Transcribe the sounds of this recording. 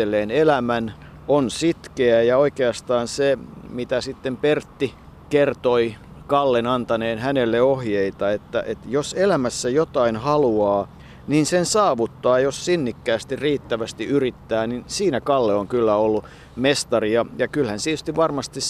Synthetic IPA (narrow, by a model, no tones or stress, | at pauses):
elːˑeːnelæmæn | onsit̪keæjɑoikeɑst̪ɑːnsemit̪æsit̪ːempert̪ːi | kert̪oikɑlːenɑnt̪ɑneːnhænelːeohjeit̪ɑet̪ːæ̰ʔet̪joselæmæsːæjot̪ɑinhɑluɑː | ninsensɑːʋut̪ːɑːjossinːikːæːst̪irriːt̪ːæʋæst̪iʔyrit̪ːæːninsiːnækɑlːeoŋkylːæolːu | mest̪ɑriɑjɑkylhænt̪iet̪yst̪iʋʋɑrmɑst̪is